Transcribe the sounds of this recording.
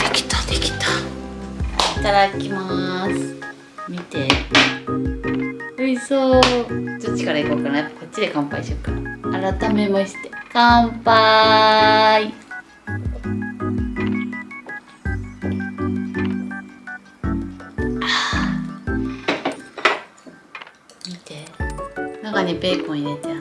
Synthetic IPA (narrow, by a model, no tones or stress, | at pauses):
d̪̥ekʲi̥t̪ḁd̪ekʲi̥t̪a | at̪aɾakʲimasɨ̥ | mʲit̪e̞ | oisoːd̪ot͡ɕi̥kaɾaiko̞ːkanajapːḁko̞t̪̚t͡ɕːid̪e̞kãmpaiɕokanaaɾat̪ame̞maɕi̥t̪e̞kãmpa | i | a | mʲit̪e̞ | nakaɲ̟ipeːkõiɾet̪e